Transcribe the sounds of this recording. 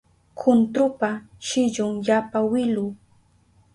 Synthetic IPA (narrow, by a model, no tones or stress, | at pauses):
kʰʊnt̪ɾʊpa | ʃɪʎʊŋjapawɪlʊː